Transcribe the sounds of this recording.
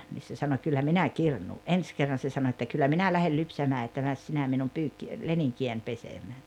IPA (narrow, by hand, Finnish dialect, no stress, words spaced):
niːs se sɑno kylːæ minæ kirnuː ʔens kerːɑn se sɑno etːæ kylːæ minæ læhel lypsæmæː etːæ mæs sinæ minum pyːkːi leniŋkiæn pesemæː